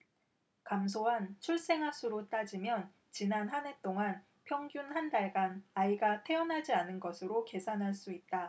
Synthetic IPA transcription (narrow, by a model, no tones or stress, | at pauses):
kamsʰoɦant͡ɕʰuɭs͈e̞ŋɦasʰuɾot͈ad͡ʑimjʌn | t͡ɕinanɦane̞t͈oŋan | pʰjʌŋɡjunhandaɭɡanaiɡatʰe̞ʌnɦad͡ʑianɯnɡʌsʰɯɾoke̞sʰanɦaɭs͈uit̚t͈a